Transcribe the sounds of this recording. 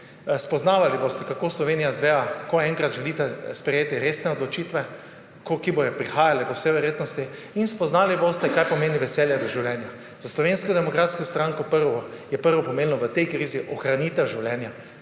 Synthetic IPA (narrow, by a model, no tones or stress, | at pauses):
spɔznaːʋalibost̪ɛkakoːslɔʋenijazʋɛːʋakoɛ̃ŋkɾat̪ʒɛlit̪ɛspɾɛjeːt̪iɾesnɛɔd̪lɔt͡ʃiːt̪ʋɛ | kokibojɔpɾixaːjalɛpəwsɛʋɛɾjeːt̪nɔst̪i | inspɔznaːlibost̪ɛkajpɔmeːniʋɛsɛːljad̪ɔʒiwlɛːnja | zaslɔʋenskɔd̪ɛmɔkɾat̪skɔst̪ɾaŋkɔpəɾʋɔjɛpəɾʋɔpɔmennɔʋət̪ɛjkɾiːziʔɔxɾanit̪ɛʒiwlʲɛːnja